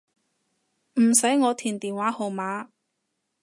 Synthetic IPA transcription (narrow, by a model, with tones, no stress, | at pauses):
m̩˨˩sɐ˨˥jŋɔː˨˧t̪ʰiː˨˩nt̪iː˨nwaː˨˥ho˨wmaː˨˧˥